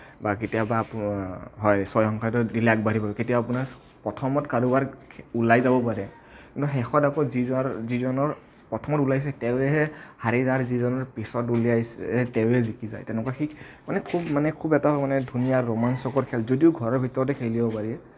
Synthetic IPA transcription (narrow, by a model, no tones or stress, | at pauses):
baketijaba | ɦɔjsɔjhɔŋkʰajtɔdilɛak̚baɾipabɛketijaːpunaɹ | pɹɔtʰɔmɔtkaɹubaɹʰulajzabɔpaɹɛ | kintuɦɛxɔtakɔzizizɔnɔɹ | pɔtʰɔmɔtulajs̬ɛtɛʊɛɦɛhaɹizaɹzizɔnɔɹpisɔtulijajsɛɛtɛʊɛzikiza̰jtɛʊnɛkaxik | manɛkʰubmanɛkʰubɛtamanɛdʱunijaɹɔmansɔkɔɹkʰɛlzodiʊɡʱɔɹɔɹbʱitɔɹɔt̬ɛkʰelibɔpaɹiɛ